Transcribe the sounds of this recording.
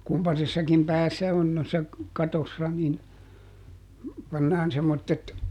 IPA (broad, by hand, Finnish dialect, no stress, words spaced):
kumpɑsesːɑkim pæːsːæ on noisːɑ kɑtosːɑ nin pɑnːɑːn semːotːet